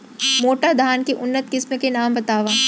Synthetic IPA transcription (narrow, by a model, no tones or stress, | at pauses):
moːʈad̪ʱaːnkeʔʊnːət̪kɪsmekenaːmbɐt̪aːʋaː